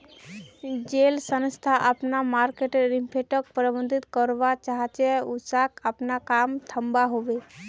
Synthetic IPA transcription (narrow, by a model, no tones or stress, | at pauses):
d͡ʒeːlsənst̪ʰaʔəpnamaːɾkeʈeɾimpʰeʈək̚pɾəbənd̪ʱit̪kɔɾʋat͡ʃaɦt͡ʃɛusakəpnakamt̪ʰəmbaɦoʋe